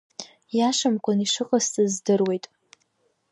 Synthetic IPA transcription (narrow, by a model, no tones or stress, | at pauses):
jaʂamkʷʼaniʂɨqʼəstʼɨzdɨrwe̞jtʼ